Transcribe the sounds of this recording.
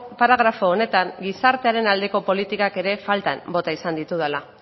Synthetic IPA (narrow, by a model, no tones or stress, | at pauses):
paɾaɣɾafo̞ːne̞t̪aŋɡisaɾt̪e̞aɾe̞nald̪e̞ko̞po̞lit̪ikake̞ɾe̞falt̪ambo̞t̪aisand̪it̪uðala